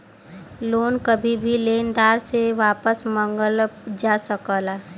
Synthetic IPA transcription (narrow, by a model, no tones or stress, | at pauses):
loːnkəbʱibʱileːnd̪aːɾseʋaːpəsmə̃ŋɡəld͡ʒaːsəkəlaː